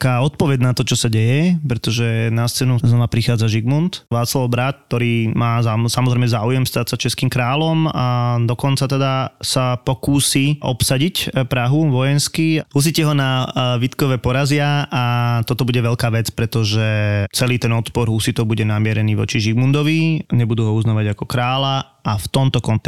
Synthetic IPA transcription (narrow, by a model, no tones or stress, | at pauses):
kaːɔt̪̚pɔʋɛɟnat̪ɔt͡ʃɔsaɟɛjɛpɾɛt̪ɔʒɛnast͡sɛːnuznɔʋapɾixaːd͡zaʒiɡmunt̪ʋaːt͡slaʊbɾat̪̚kt̪ːɔɾiːmaːzasamɔzɾɛɪmɛzaːujɛmst̪at̪sat͡ʃɛskiːmkɾaːlɔmad̪ɔkɔnt͡sat̪ɛd̪asapɔkuːsiʔɔ̰psaɟicpɾaɦuʋɔjɛnskiɦus̬icɛɦɔnaʋit̪kɔʋɛpɔɾazɪaat̪ɔt̪ɔbuɟɛʋɛʎkaːʋɛt͡spɾɛt̪ɔʒɛt͡sɛliːt̪ɛnɔt̪pɔɾɦusit̪ɔʊbuɟɛnamɪɛɾɛniːʋɔ̰t͡ʃiʒiɡmund̪ɔʋiɲɛbud̪uːɦɔuznaːʋaɟakɔkɾaːla | aft̪ɔmt̪ɔkɔnt̪ɛ